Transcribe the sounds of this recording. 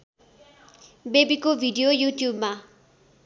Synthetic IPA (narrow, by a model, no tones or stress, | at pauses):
bebikovʱiɖiojutjuːb̚ma